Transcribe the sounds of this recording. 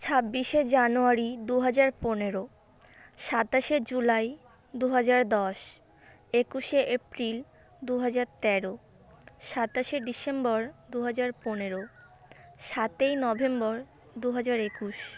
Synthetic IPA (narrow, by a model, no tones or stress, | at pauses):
t͡ɕʰabːiʃed͡ʑanuaɾid̪uɦad͡ʑaɾponeɾo | ʃat̪aʃed͡ʑulaj | d̪uɦad͡ʑaɾd̪ɔʃ | ekuʃeʔepɾil | d̪uɦad͡ʑaɾt̪ɛɾo | ʃat̪aʃeɖisembɔɾd̪uɦad͡ʑaɾponeɾo | ʃat̪ejnɔbʱembɔɾ | d̪uɦad͡ʑaɾekuʃ